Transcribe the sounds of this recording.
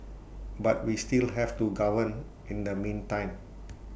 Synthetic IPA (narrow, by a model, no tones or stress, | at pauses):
bat̚wistilɦɛftuɡavə̃n | ĩndəmĩntãɪ̃m